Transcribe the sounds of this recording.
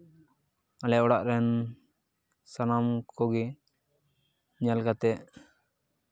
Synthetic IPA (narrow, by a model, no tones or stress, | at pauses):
alɛʔɔɽaʔɾɛn | sanamkɔɡɛ | ɲalkat̪ɛʔ